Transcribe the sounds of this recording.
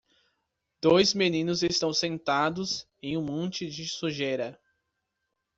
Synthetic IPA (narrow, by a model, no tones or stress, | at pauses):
d̪̥ojzmenĩnʊzest̪ɐ̃w̃sẽnt̪ad̪ʊz | ẽj̃ũmõnt͡ʃɪd͡ʒɪsuʒeɾɐ